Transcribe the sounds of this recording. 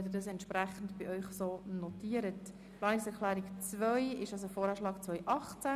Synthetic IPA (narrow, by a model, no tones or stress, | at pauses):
ɛd̪ədɑsɛntʃpɾæχn̩tb̥iʔœʏχsoːnɔtiəɾət | plɑːnɪksɛɾklæːɾikt͡svœʏɪʃɑls̬ofoːɾɑʃlɑːkt͡svœjʔɑχt͡sæ